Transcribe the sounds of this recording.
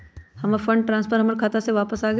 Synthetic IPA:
hɐmafɐ̃ɳɖ̚ʈɾãːnspʰəɾɦɐməɾkʰat̪aseʋaːpəsaːɡɐ

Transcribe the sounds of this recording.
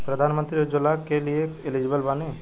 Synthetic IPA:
pɾəd̪ʱaːnmə̃nt̪ɾiod͡ʒʊlakelieɪlid͡ʒɪbəlbaːne

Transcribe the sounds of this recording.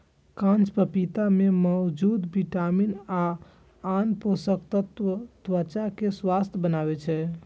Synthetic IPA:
kãnt͡ʃpəpit̪amemɔwd͡ʒud̪biʈaminaː | nposəkt̪ət̪ət̪wət͡ʃakeswast̪ʰjəbənaβɛt͡ʃʰɛ

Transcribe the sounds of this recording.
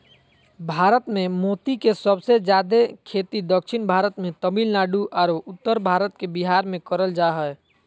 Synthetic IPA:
bʱaːɾət̪mẽmot̪ikesəbsed͡ʒjad̪ekʰet̪id̪əkʃʰɪnbʱaːɾət̪mẽt̪əbilnaːɖuʔaːɾoʊt̪ːəɾbʱaːɾət̪kebiɦaɾmẽkəɾəld͡ʒaɦɛɛ

